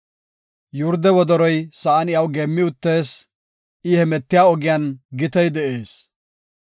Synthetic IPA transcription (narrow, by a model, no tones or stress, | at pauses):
jʊɾd̪ɛwɔd̪ɔɾɔjsɐɐnɪjɐwɡeːmːɪʊt̪ːe̞ːs | ʔɪhɛmɛt̪ːɪjaːɔɡɪjanɡɪt̪ɛjd̪ɛʔe̞ːs